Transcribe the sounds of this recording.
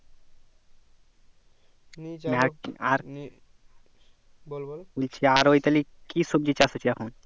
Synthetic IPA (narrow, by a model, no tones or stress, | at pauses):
maɾaɾ | ult͡ʃʰiaɾoit̪ɐlikisub̚d͡ʒit͡ʃasot͡ʃʰiakʰuːn